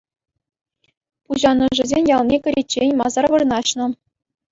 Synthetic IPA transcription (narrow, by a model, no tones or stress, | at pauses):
puʑɑnɤ̆ʐɘ̆zʲenʲjɑlˠnʲekʲɘ̆ɾʲet͡ɕːenʲmɑzɑrʋɤ̆rnɑɕnɤ̆